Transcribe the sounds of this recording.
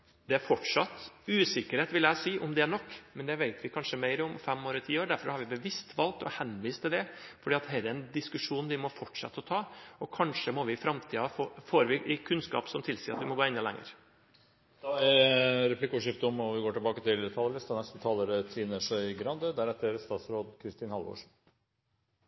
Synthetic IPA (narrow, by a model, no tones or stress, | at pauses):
d̪ɛæɾfɔʈʂɑt̪ʉːsɪkːəɾheːt̪ʋɪljæɪsiːʔʊmd̪ɛæɳɔkːmɛnd̪ɛʋeɪt̪ʋɪkʰɑnʂəmæɪɾɔmfɛmːoːɾət̪ʰiːoːɾɖæɾfɔɾhɑɾʋɪbəʋɪst̪ʋɑlk̚t̪ɔ̰hɛnʋiːst̪ʰɪld̪ɛfɔɖiːɑt̪hɛɾɛnd̪ɪskʉʂuːnʋɪmɔfɔʈʂɑ̰t̪ːəɔt̪ʰɑːɔkʰɑnʂəmɔʋɪfɾɑmt̪ʰiːɑfoːfoːɾʋɪʔɪkʰʉnskɑ̰ːpsɔmt̪ʰɪlsiːɾɑt̪ʋɪmɔɡoːɛnːɑlɛ̰ŋːə̰ɾ | d̪̥ɑɛɾɾɛplɪkːəɔːʂɪft̪əɔmɔʋɪɡoːʈɪlbɑːkət̪ɪlt̪ʰɑlələst̪ɑnɛst̪ət̪ʰɑːləɾət̪ʰiːnəʂœʏɡɾɑnd̪əd̪æɾɛt̪ːəɾst̪ɑːt̪sɾoːd̪kʰɾɪst̪iːnhɑlʋo̰ːʂ